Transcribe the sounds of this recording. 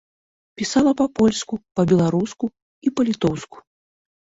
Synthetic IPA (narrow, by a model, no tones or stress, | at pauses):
pʲisalˠɐpɐpɔlʲskupɐbʲɛlˠaɾusku | ipɐlʲit̪ɔwsku̥